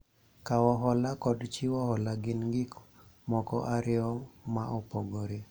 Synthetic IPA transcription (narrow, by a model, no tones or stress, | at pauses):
kawɔɦɔlakɔdt͡ʃiwɔhɔlaɡɪnɡɪk | mɔkɔ̰ʔaɾɪɔmaʔɔpɔɡoɾe